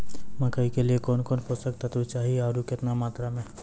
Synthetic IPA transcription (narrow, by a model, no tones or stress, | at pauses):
mɐkaikeliekɔːnkɔːnpʊst̪ək̚t̪at̪ut͡ʃaːɦieaːɾukɪt̪namaːt̪ɾamẽː